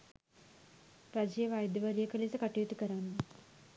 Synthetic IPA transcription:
ɾad͡ʒijəʋajd̪ɐʋəɾijəkəlisɐkaʈijut̪ukəɾanːu

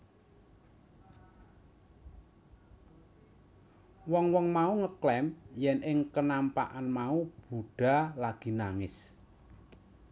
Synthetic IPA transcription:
wɔŋwɔŋmauŋəklɛmjɛnɪŋkənampa̰ʔanmaub̥uɖ̥a̤laɡ̥i̤naŋɪs

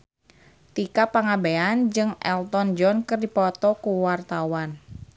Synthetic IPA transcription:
t̪ikapaŋabeand͡ʒɨŋʔɛ̰lt̪ɔnd͡ʒɔnkɨrdipɔt̪ɔkuwart̪awan

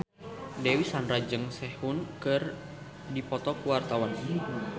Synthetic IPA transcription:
dɛwisanɾad͡ʒɨŋsɛhunkɨr | dipɔt̪ɔkuwart̪awan

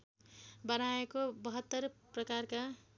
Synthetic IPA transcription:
bʌnaekobʌɦʌt̪ːʌrprʌkarka

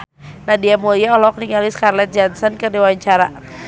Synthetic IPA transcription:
nadiamoliaɔlɔk̚niŋaliskarlɛt̪̚d͡ʒansɔnkədiwaɲt͡ʃaɾa

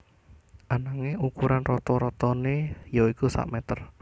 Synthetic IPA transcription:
ʔanaŋeukuɾanrɔt̪ɔɾɔt̪ɔnejoikusa̰ʔmɛt̪ər

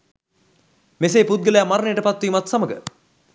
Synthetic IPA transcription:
mes̬eːpud̪̚ɡələjamaɾənəjəʈəpat̪ʋiːmat̪saməɡə̰

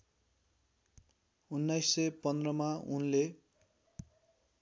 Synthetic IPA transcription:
unːajsːʌjpʌnd̪rʌmaunle

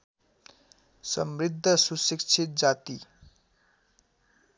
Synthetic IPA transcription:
sʌmrid̪ʱːʌsusik̚t͡ʃʰit̪̚d͡zat̪i

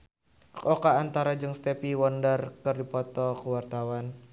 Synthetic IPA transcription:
kɔkaːnt̪aɾad͡ʒɨŋst̪epiwɔndarkərdipɔt̪ɔkəwart̪awan

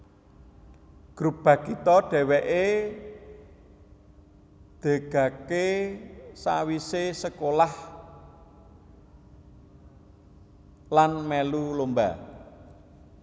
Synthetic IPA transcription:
ɡ̥ɾub̥a̤kit̪ɔɖ̥ɛ̤wɛʔe | d̪̥e̤ɡ̥ä̤ke | sa̰wisesəkolah | lanmɛlulomba̰

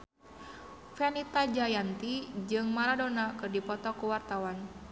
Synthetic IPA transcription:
fɛnit̪ad͡ʒajant̪id͡ʒɨŋmaɾadonakɨrdipɔt̪ɔkuwart̪awan

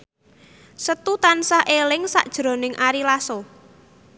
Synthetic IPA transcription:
sət̪ut̪ansahʔelɪŋsa̰ʔd̥ʒ̥ɾo̤nɪŋʔaɾilaso

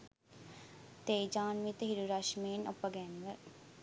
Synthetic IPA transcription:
t̪eːd͡ʒaːnʋit̪ɦiɾuɾaʃmiːnopɐɡɛnʋəɾ

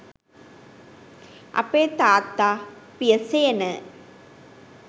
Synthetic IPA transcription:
ʔɐ̰pːeːt̪aːt̪ːaːpijɐseːnɐ

